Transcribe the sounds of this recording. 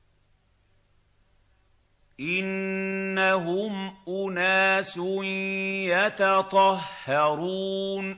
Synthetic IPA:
ʔɪnːaɦʊmʔʊnaːsʊnjɑt̪ɑt̪ˤɑhːɑɾuːn

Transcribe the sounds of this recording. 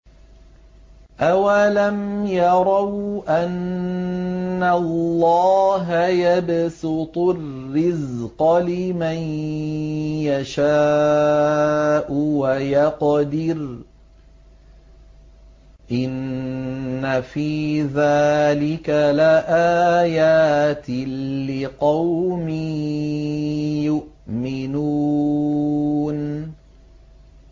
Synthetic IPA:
ʔawalamjɑɾˤɑwʔan | allːɑːɦajabsɪt̪ˤʊrːɪzqɑlɪman | jaʃaː | ʔʊwajɑqd̪ɪɾ | ʔɪnː | afiːðaːlɪkalaʔaːjaːt̪ɪlɪqɑwmi | jʊʔmɪnuː | n

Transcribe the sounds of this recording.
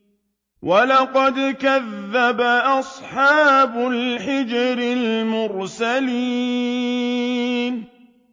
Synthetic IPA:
wʔalɑqɑd̪kaðːabaʔɑsˤħɑːbʊlħɪd͡ʒɾɪlmʊɾsaliː | n

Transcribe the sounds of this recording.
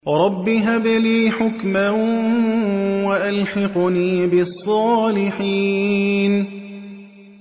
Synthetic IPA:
ɾˤɑbːiɦabliːħʊkma | waʔalħɪqʊniːbɪsˤːɑːlɪħiːn

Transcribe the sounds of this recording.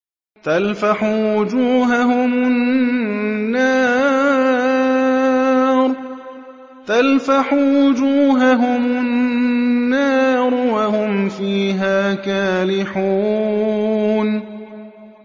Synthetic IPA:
t̪alfaħuːwʊd͡ʒuːɦaɦʊmʊnː | aː | ɾˤ | t̪alfaħuːwʊd͡ʒuːɦaɦʊmʊnː | aːɾˤwahʊmfiːɦaːkaːlɪħuː | n

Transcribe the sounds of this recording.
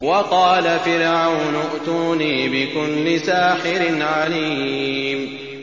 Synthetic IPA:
wɑqɑːlafɪɾʕawnʊʔt̪uːniːbɪkʊlːɪsaːħɪɾɪnʕaliːm

